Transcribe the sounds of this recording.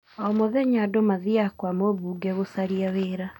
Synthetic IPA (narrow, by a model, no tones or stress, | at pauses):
ɔmoðɛɲadomaðiakwamoβuːɡɛɣosaɾiaweɾa